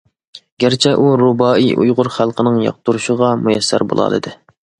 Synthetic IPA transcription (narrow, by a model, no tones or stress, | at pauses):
ɡ̥ʲæɾt͡ʃʰɛʔuɾobɑːiʔṵjʁʊɾχælˠqʰənɨŋjɑ̰q̚t̪uɾuʃəʁɑmujɛsːæ̰ɾbo̰lˠɑ̰ːlˠɨ̰d̪ɨ